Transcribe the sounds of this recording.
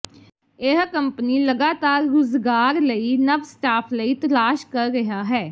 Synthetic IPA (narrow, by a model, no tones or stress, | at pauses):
ɪɦkəmpniːləɡaːt̪aːɾːʊzɡaːɾləiːnəbsʈaːpʰləiːt̪əlaːʃkəɾːɪɦaːɦɛː